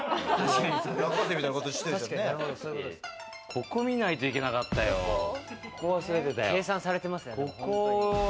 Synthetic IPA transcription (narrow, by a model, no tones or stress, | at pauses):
t̪aɕkaɲisoɡakɡat̪ːemit̪ainakot̪oi̥t̪eseɾod̪osoikot | kʰo̞ko̞mʲinait̪o̞ikʲe̞nakat̪ːajo̰koβasoɾet̪et̪ajeːsãsaɾe̞t̪e̞masɨnekoko